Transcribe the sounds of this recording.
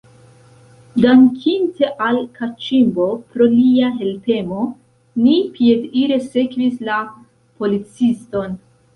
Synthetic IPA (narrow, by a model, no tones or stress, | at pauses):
daŋkʰinte̞ʔalkat͡ʃimbo̞pɾo̞liaɦe̞lpe̞mo̞ | nipʰiediɾe̞se̞kvisla | po̞lit͡sisto̞n